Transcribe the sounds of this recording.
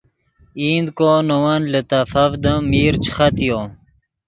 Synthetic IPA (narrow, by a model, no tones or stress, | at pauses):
iːnd̪koːnowɐnlət̪ɐfɐvd̪əmiːɾt͡ɕʰxɐt̪joː